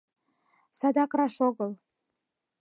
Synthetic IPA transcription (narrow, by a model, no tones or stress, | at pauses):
sɑd̪ɑkrɑʃoɡɤ̆lˠ